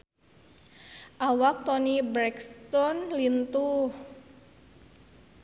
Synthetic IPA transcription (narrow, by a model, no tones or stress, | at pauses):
ʔawak̚t̪ɔnibɾɛkst̪ɔnlint̪uh